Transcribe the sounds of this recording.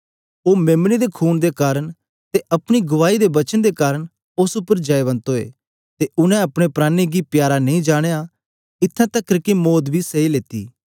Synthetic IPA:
oːmeːmnid̪ekʰuːnd̪ekaːɾə̃ | t̪eʔɐpɽ̃iɡʊʋaːid̪ebɐt͡ʃənd̪ekaːɾəɽ | ʊsʊpːəɾd͡ʒɐeβɐ̃nt̪oḛː | t̪eʊnɛ̃ɐpɽ̃epɾaːniɡipjaːɾanɐ̃ĩd͡ʒaːɽ̃eja | ɪt̪ʰːãt̪ɐkːɾkimoːd̪bʱiseileːt̪ḭː

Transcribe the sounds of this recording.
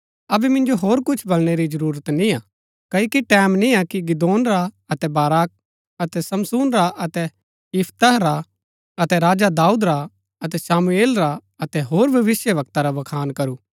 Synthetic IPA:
ɐbɛmɪ̃nd͡ʒoɦoːɾkʊt͡ʃʰbɐlɽ̃eɾid͡ʒɐɾuːɾət̪nĩa | kɐikiʈɛːmnĩakiɡɪd̪oːnɾa | ɐt̪ɛbaːɾaːk̚ | ɐt̪ɛsɐmsuːnɾaʔɐt̪ɛ | ɪpʰt̪əɦɾa | ɐt̪ɛɾaːd͡ʒad̪aːuːd̪ɾa | ɐt̪ɛsaːmueːlɾa | ɐt̪ɛɦoːɾbʱɐʋɪsjəʋɐk̚t̪aɾaʋɐkʰaːnkɐɾuː

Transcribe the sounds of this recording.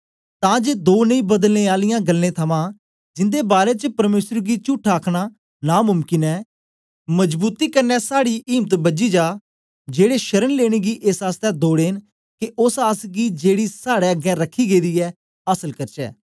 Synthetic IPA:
t̪ãːd͡ʒeːd̪oːnəĩːbəd̪əlneːaːlɪjãːɡəlːẽːt̪ʰəmãː | d͡ʒɪnd̪eːbaːɾeːt͡ʃəpəɾmeːsəɾɡiːt͡ʃʊːʈʰaːkʰɽ̃aː | naːmʊmkɪnɛː | məd͡ʒbuːt̪iːkəɾnɛːsaːɽiːʔiːmt̪bəd͡ʒiːd͡ʒaː | d͡ʒeːɽeːʃəɾənleːɽ̃eːɡiːʔesaːst̪ɛːd̪oːɽeːn | kɪʔʊsaːsɡiːd͡ʒeːɽiːsaːɽeːəɡɛ̃ːɾəkʰːiːɡeːd̪iːɛː | aːsəlkəɾt͡ʃɛ̰ː

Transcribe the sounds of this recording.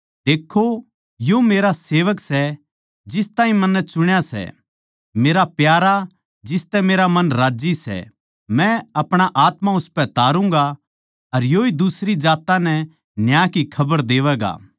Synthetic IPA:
d̪eːkʰːo | jomeːɾaseːʋəksɛ | d͡ʒɪst̪ãːɦĩmɐnːɛt͡ʃʊɽ̃jasɛ̰ | meːɾapjaːɾa | d͡ʒɪst̪ɛmeːɾamɐnɾaːd͡ʒisɛ̰ | mɛ̃ɐpɽ̃aʔaːt̪mãʊspɛt̪aːɾũŋ̆ɡa | ɐɾjoːid̪ʊsɾid͡ʒaːt̪anɛ | njaːkikʰɐbəɾd̪eːʋɛːɡa̰ː

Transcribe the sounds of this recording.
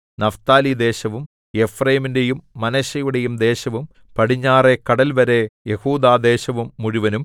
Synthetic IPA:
nɐft̪aːlid̪e̞ːɕɐʋum | je̞frɐjɐmindejumːɐnɐɕɐjuɽejumd̪e̞ːɕɐʋum | pɐɽiɲːaːre̞kɐɽɐlʋɐɾe̞jehuːd̪aːd̪e̞ːɕɐʋumːuɻuʋɐnum

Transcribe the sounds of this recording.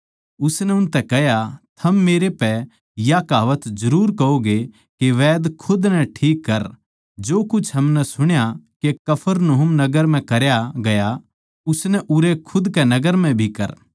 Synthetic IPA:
ʊsnɛʊnt̪ɛkɛɦjat̪ʰɐmːeːɾepɛ | jakaːʋət̪d͡ʒɐɾuːɾkɐoɡe | keʋɛːd̪kʰʊd̪nɛʈʰiːkːɐɾ | d͡ʒoːkʊt͡ʃʰɦɐmnɛsʊɽ̃jakekɐpʰəɾnoɦʊmnɐɡəɾm̤ɛ̃kɐɾjaɡɐja | ʊsnɛʔʊɾekʰʊd̪kɛnɐɡəɾmɛ̃bʱikɐ̰ɾ

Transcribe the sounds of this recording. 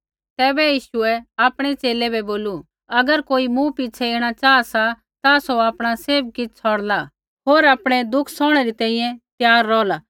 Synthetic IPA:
t̪ɛːbɛjiːʃʊɛaːpɽ̃ɛt͡ʃeːlɛbɛboːlu | ɐɡəɾkoːimũpɪt͡ʃʰɛeːɽ̃at͡ʃaːasa | t̪asoaːpɽ̃aseːp̚kɪt͡sʰɔːɽla | ɦoːɾaːpɽ̃ɛd̪ʊkʰːsɔːɽ̃ɛɾit̪ɛ̃ːĩjɛ̃t̪jaːɾːɔːla

